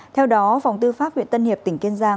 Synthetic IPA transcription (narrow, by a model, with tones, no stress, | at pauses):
t̪ʰɛ˧wɗɔ˨˦fa˨˩wŋ͡mt̪ɨ˧faː˦˥p̚hḭ˧˨ənt̪ə˧nhi˨˩əp̚t̪ï˧˩ŋ̟ki˧nzaː˧ŋ